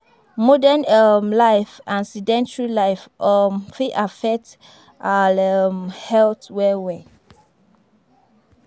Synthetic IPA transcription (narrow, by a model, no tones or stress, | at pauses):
mɔdɛ̃nəmlaɪfãnsidɛ̃ntɹilaɪfɔmfiʔafɛk̚t | ʔalmhɛltwɛwɛ